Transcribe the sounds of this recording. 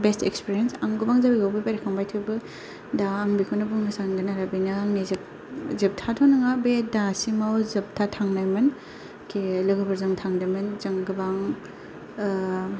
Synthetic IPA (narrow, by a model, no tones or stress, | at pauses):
bestekspiɾiensaŋɡɯbaŋzabiɡawbɯpeɾikʰaŋbajtʰɯbɯ | daːŋbikʰunɐbuŋmɯsaŋdɯnaɾabinɯaŋniz | zip̚tʰatʰonɯŋabedasimawzɯp̚tʰatʰaŋnajmɯn | kʰelɯɡɯbɐɾzaŋtʰaŋdajmɯnzaŋɡɯbaŋ